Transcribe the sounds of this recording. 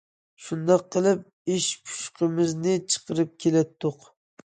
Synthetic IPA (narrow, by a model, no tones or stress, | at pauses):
ʃund̪ɑqʰːəlˠɨp̚ | iʃkʰu̥ʃqəmɪznɪt͡ʃʰə̥qəɾɨp̚kʲʰelɛt̪ʰːʊq